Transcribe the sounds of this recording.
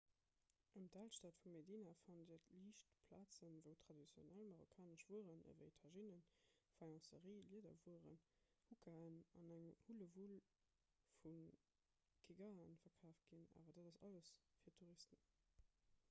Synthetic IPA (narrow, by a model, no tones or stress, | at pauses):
ʔəmdʰalʃtaːtfummediːnafɑndiətʰliːʃtpʰlaːt͡sənvəʊtʰʁ̥ɑdit͡sjo̰nælmɑʁokʰaːnəʃv̥uəʁənə̰vəetʰɑʒinənfɑŋɑ̃səʁiːliədɐ̰vuəʁə̰n | hukʰaənɑnæŋhuləvul | fun | kʰeɡaənfɐkʰaːft̚ɡ̥ina̰ːvɐdaːdɑsɑləsfiːɐtʰuʁistən